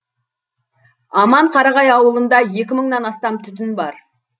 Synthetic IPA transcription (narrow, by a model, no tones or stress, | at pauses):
ɑmɑɴqʰɑɾɑʁɑjɑwəlˠənd̪ɑje̞kʲɪməɴnɑnɑst̪ɑmt̪ʰʏt̪̬ɪnbɑɾ